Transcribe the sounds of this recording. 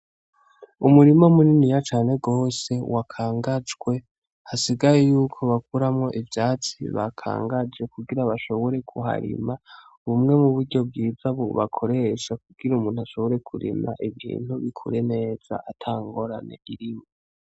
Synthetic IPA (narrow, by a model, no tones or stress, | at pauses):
umuɾimomuninijat͡ʃaːne̞ɡo̞ːse̞wakʰaːŋɡad͡ʒɡwe̞ | hasiɡajejuːkʰo̞βakuɾamŋo̞ʔivjaːt͡siβa̰kʰa̰ːŋɡad͡ʒe̞kuɡiɾaβaʃo̞βo̞ɾe̞kʰuɦa̰ɾḭma | βumŋe̞muβuɾɟo̞b̚ɡiːzaβoβakʰo̞ɾe̞ʃak̚uɡ̥iɾaumuːnhuaʃo̞βoɾe̞kʰuɾḭma̰ʔiβḭːn̥huβikʰṵɾe̞ne̞ːz̥a̰ʔatʰaːŋɡo̞ɾane̞̰ʔiɾimo